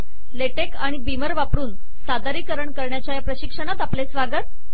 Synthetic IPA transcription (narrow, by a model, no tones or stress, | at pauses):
leʈekaɽ̃ibiməɾʋapɽuːn | sad̪aɾiːkəɾəɳkəɾɳjat͡ɕjajapɾəɕikʂəɽ̃at̪aplesʋaɡət̪̚